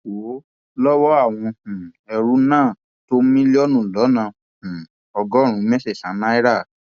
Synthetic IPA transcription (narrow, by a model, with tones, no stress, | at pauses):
wo˨˦ | lɔ˦wɔ˦a˦˨w̃ɔ̃˧hũ˨ɛ˧ɾu˦nãː˦˨ | to˦mĩ˦li˦ɔ˦nũ˦˨lɔ˨˦nã˧˨ | hũ˨ | ɔ˧ɡɔ˨˦˨ɾ̃ũ˨˦mɛ˦se˦˨sã˨˦nã˦i˦ɾa˦˨